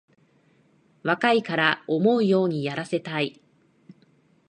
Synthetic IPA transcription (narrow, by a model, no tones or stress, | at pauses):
βakaikaɾao̞mo̞ɯ̟jo̞ːɲ̟ijaɾase̞t̪ai